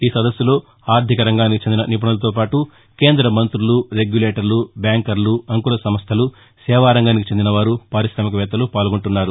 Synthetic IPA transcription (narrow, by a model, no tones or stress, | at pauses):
iːsɐd̪ɐsːulo̞ː | aːɾd̪ʱikɐɾɐŋɡaːnikit͡ʃend̪inɐnip̬ɐɳɐlɐt̪oːpaːʈu | keːnd̪ɾɐmɐnt̪ɾuluɾe̞ɡjuleːʈɐɾlubjaːŋkɐɾluɐŋkulɐsɐmɐst̪ʰɐlu | sɛːʋaːɾɐŋɡaːnikit͡ʃe̞nd̪inɐʋaːɾupaːɾisʃɾaːmikɐʋɛːt̪ːɐlupaːlɡoɳʈunːaːɾu